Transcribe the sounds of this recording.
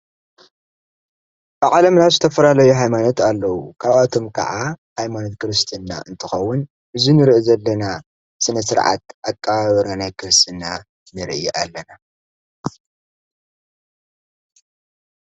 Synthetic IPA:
baʔʼalɐmnazɨt̪ʰɐfɐlalɐjuɦajmanot̪alːɐwukʰaβʔat̪ʰo̞mkʰɐ̰ʕahajmanot̪kɨɾɨst̪ʰɨnːa̰ʔɨnt̪ʰɨxɐwːʊn | ʔɨzinɨɾʔizɐlːɐna | sɨnɐsɨɾʕa̰t̪̚ʔakʼːɐβaβɐɾanajkʰɨɾɨst̪ʰɨnːa | nɨɾʔiʔalːɐna

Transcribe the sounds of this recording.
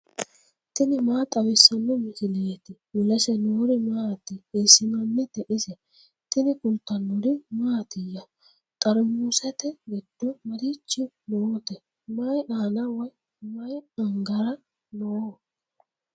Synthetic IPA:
t̪ɪnɪmaːt̪ʼɐwɪsːɐnːɔmɪsɪleːt̪ɪmɪlɐsɛnoːɾɪmaːt̪ːɪesːɪnɐnːɛt̪ɛʔɪsɛ | t̪ɪnɪkʊlt̪ːɐnːʊɾɪmaːt̪ɪjːɐ | kʼɐɾʊmuːsɛt̪ɛɡɛd̪̥ːɔmɐɾit͡ʃːɪ | noːt̪ɛ | mɐjʔaːnɐwɐj | mɐjɐŋɡɐɾɐ | noː

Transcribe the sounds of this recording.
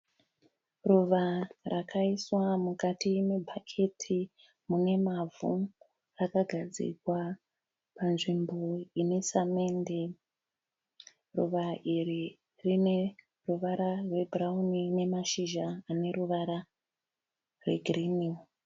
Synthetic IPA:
ruʋarakʰaiswamukatimebʱakʰe̞tʰi | mune̞mavu | rakaɡʱad͡zḭkwa | panʐimbo̞ine̞same̞nde | rṵʋairi | rine̞ | ruʋaɾarwe̞bʱraunine̞maʃiʒaːne̞ruʋaɾa | rwe̞̰ɡʱrini

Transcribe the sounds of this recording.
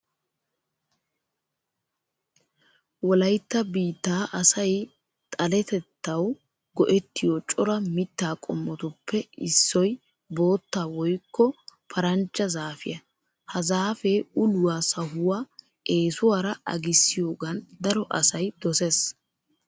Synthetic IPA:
wɔlɐjt̪ːɐbiːt̪ːaːʔɐsɐj | t̪ʼɐlɛt̪ɛt̪ːɐw | ɡɔʔɛt̪ːɪjot͡ʃʼɔɾɐmɪt̪ːaːkʼɔmːɔt̪ʊpːɛɪsːɔj | bo̞ːt̪ːaːwɔjkːɔpʰɐɾɐnt͡ʃːɐzaːfɪjɐ | hɐzaːfeːʊlʊwaːsɐɦʊwaː | e̞ːsʊwaːɾɐʔɐ̰ɡɪsːɪjo̞ːɡɐnd̪ɐɾɔʔɐ̰sɐjd̪ɔses

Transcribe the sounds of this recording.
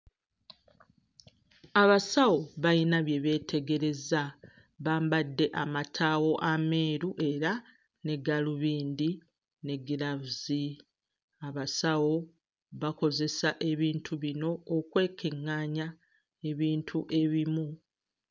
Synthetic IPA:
aβasawo̞βajinaβje̞βe̞ːtʰe̞ɡe̞ɾe̞za | βaːmbadːe̞ʔamatʰawo̞ʔame̞ːɾuʔe̞ɾa | ne̞ɡaluβiːnd̪i | ne̞ɡiɾavuzi | aβasawo̞ | βako̞ze̞saʔe̞βiːntʰuβino̞ːkwe̞ːkeŋːaːɲa | e̞βiːntʰuʔe̞βimu

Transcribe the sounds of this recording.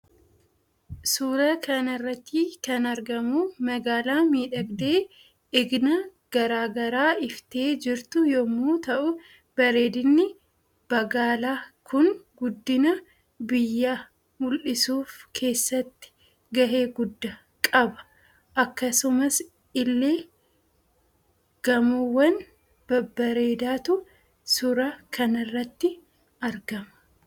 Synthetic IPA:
suːɾɐkɐnɐrːɐt̪ːiːkɐnɐɾɡɐmuːmɐɡaːlaːmiːᶑɐɡd̪eː | ɪɡnɐ | ɡ̥ɐɾaːɡɐɾaːɪft̪e̞ːd͡ʒɪɾt̪ʊjɔmuːt̪ɐʔʊ | b̥ɐɾe̞ːd̪ɪnːɪ | b̥ɐɡaːlaːkʰʊnɡʊd̪ːɪnɐ | bɪjːaː | mʊlʔɪsuːfkʰe̞ːsːɐt̪ːɪ̥ | ɡɐɦe̞ːɡʊd̪ːɐ | kʼɐbɐ̥ | ʔɐkːɐsʊmɐs | ɪlːe̞ː | ɡ̥ɐmʊwːɐn | b̥ɐbːɐɾe̞ːd̪aːt̪ʊ | sʊɾaːkʰɐnɪrːɐt̪ːɪ | ɐɾɡɐmɐ̥

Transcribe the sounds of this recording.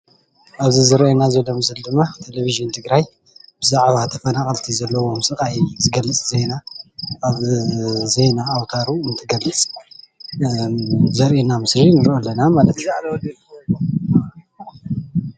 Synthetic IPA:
ʔaβzizɨɾʔenazɐlomɨzɨld̪ɨmːat̪ʰeleβiʒɨnt̪ʰɨɡɾaj | b̥ɨzaʕβat̪ʰɐfɐnaχʼɐlt̪ʰizɐlːɐwo̞msʼɨkʼajzɨɡɐlːɨt͡sʼzenaʔaβzejnaːwt̪ʰaɾuɨnt̪ʰɨɡɐlːɨt͡sʼ | zɐɾʔenamɨsɾinɨɾʔolːɐnamalɐt̪zalɐwd̪i

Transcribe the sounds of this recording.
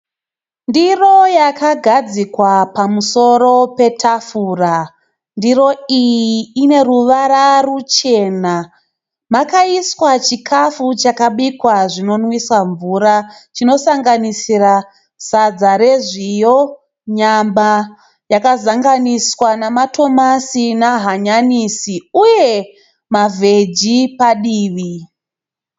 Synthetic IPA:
ndiro̞jakʰaɡʱad͡zikwapamuso̞ɾo̞pe̞tʰafuːra | ndiɾo̞ijiːne̞ɾuʋaɾarut͡ʃe̞ːna | makaiswat͡ʃikʰafut͡ʃakaɓikwaʐino̞nwiswaɱvuːɾat͡ʃino̞saŋɡanisira | sad͡zaɾe̞ʐijo̞ | ɲamba | jakazaŋɡaniswanamato̞masinaɦaɲanisiuje̞ | mavʱe̞d͡ʒipaɗiːʋi

